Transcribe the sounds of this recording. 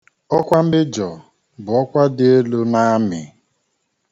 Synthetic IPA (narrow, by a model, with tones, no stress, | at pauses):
ɔ˦kʷa˦m̩˦bɪ˦d͡ʒɔ˨ | bʊ˨ɔ˦kʷa˦dɪ˦e˦lu˦na˦mɪ̰˨